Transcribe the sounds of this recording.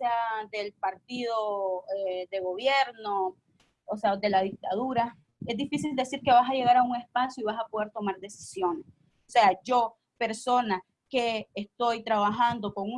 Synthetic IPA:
sead̪e̞lpaɾt̪iðoed̪e̞ɣo̞βje̞ɾno | osead̪e̞laðik̚t̪aðuɾa | e̞zd̪ifisild̪e̞siɾke̞βasaje̞ɣaɾauŋe̞spasjoiβasapoðe̞ɾt̪o̞maɾd̪e̞si̥sjo̞ne̞s | ose̞ad͡ʒo̞ | pe̞ɾso̞na | ke̞ːst̪o̞jt̪ɾaβaxand̪o̞ko̞ŋu

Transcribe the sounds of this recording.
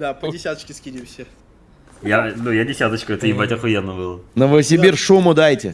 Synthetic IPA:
d̪apədʲɪsʲat̪ət͡ɕkʲɪskʲidʲɪmsʲə | janujadʲɪsʲat̪ət͡ɕkəɛt̪əivat̪ʲaxʊjɛnːəbɨlˠənəvəəsʲɪbʲirʂumʊd̪ajtʲɪ̰

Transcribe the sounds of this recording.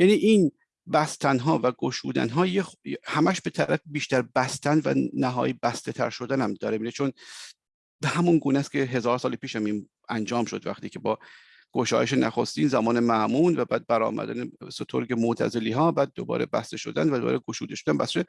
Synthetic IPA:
jæniːʔiːn | bæst̪ʰænɦɒːvæɡoʃuːd̪æ̰nɦɒːjehæmæʃbe̞t̪ʰæɾæfebiːʃt̪æɾbæst̪ʰænvæ̰næɦɒ̰ːjibæst̪e̞t̪ʰæ̰ɾʃo̞d̪ænæmd̪ɒːɾemiːɾet͡ʃʰon | behæmunɡuːnæscʰeɦe̞zɒːɾsɒːlpiːʃhæmiːn | ænd͡ʒɒːmʃo̞d̪væ̰xt̪iːkcʰe̞bɒː | ɡ̥o̞ʃɒ̰ːjeʃenæxost̪iːnzæmɒːnemæʔmuːnvæbæːd̪̚bæɾɒ̰ːmæ̰d̪æ̰nesot̪ʰoɾɡemot̪ʰæ̰zeliːɦɒːbæːd̪̚ːobɒ̰ːɾebæ̰st̪eʃo̞̰d̪ænvæd̪obɒ̰ːɾeɡoʃuːd̪eʃod̪ænbæst̪eʃe

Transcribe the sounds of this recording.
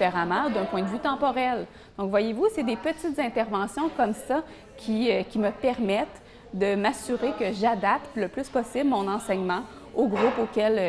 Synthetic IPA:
eʁamɑ̃d̪œ̃pwɛ̃d̪əvyt̪ɑ̃pɔʁɛl | d̪̥ɔ̃kvwajevused̪epət̪it̪zɛ̃t̪ɛʁvɑ̃sjɔ̃kɔmsa | kʲʰikʲiməpɛʁmɛt̪ | d̪əmasyʁekəʒad̪ap̚t̪ləplyspɔsɪblmɔ̃nɑ̃sɛɲmɑ̃ | oɡʁʊpokʲɛl

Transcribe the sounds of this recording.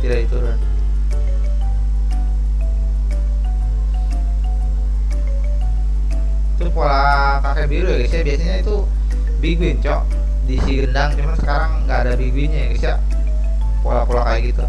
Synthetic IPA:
iɾait̪uɾʊn | t̪upola | kakɛbiɾujaɡəsjabiasaɲait̪u | biɡuɪnt͡ʃɔʔ | disiɡəndaŋt͡ʃumansə̥kaɾaŋɡaːdabiɡuɪnɲajɡisija | polapolakajaɡit̪u

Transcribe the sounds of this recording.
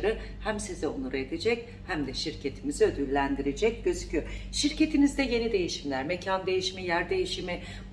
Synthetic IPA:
ɾɯhæmsizɛonˠuɾaed̪ed͡ʒɛc | hæmd̪ɛʃiɾcʰe̞t̪ʰimiziø̞d̪ylʲːænd̪iɾed͡ʒɛc̚ɟøzycʰyʃiɾce̞t̪ʰinizd̪ɛje̞nid̪e̞jiʃimlʲæɾmecʰand̪e̞jiʃimijæɾd̪e̞jiʃimi

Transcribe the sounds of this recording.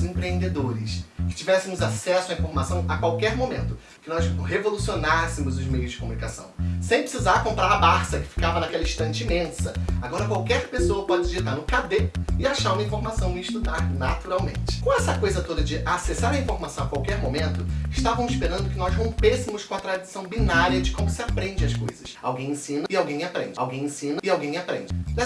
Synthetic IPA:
zẽpɾeẽnd̪ed̪oɾɪskɪ̥t͡ʃivɛsɪmʊzasɛsʊɐĩfoɾmasɐ̃w̃ɐkwawkɛɾmomẽnt̪ʊ | kɪnɔzhevolusionasɪmʊzʊzmejʊzd͡ʒɪkomunikasɐ̰̃w̃sẽj̃pɾɪsizaɾkõmpɾaɾɐbaɾsɐkɪ̥fi̥kavɐnakɛlɐĩʃt̪ɐ̃nt͡ʃɪimẽsɐaɡɔɾɐkwawkɛɾpesoɐpɔd͡ʒɪd͡ʒɪzet̪aɾnʊkad̪eɪaʃaɾũmɐĩfoɾmasɐ̃w̃ɪɪʃt̪ud̪aɾnat̪uɾawmḛ̃nt͡ʃɪ̥kõw̃ɛsɐkojzɐt̪od̪ɐd͡ʒɪʔasesaɾɐĩfoɾmasɐ̃w̃akwawkɛɾmõmẽnt̪ʊɪʃt̪avɐ̃mʊzɪʃpeɾɐ̃nd̪ʊkɪnɔzɦõpesɪmʊskõɐt̪ɾad͡ʒɪsɐ̃w̃binaɾiɐd͡ʒɪkõmʊsɪapɾẽnd͡ʒɪɐskojzɐsa̰wɡẽj̃ẽsĩnɐɪawɡẽj̃apɾẽnd͡ʒɪawɡẽj̃ẽsĩnɐɪawɡẽj̃apɾẽnd͡ʒɪ

